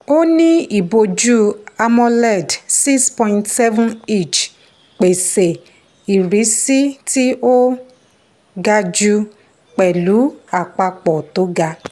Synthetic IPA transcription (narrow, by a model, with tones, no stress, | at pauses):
o˦nĩ˦i˦˨bo˧d͡ʒu˦a˧mɔ̃˧lɛ˦˨dsi˦kspɔ̃˧ĩ˨ntsɛ˦vɔ̃˦ne˦˨t͡ʃ | k͡pe˨se˨ | i˨ɾi˨˦si˦ti˦o˦ | ɡa˧d͡ʒu˧ | k͡pɛ˨lu˨˦a˨k͡pa˧k͡pɔ˨to˨˦ɡa˧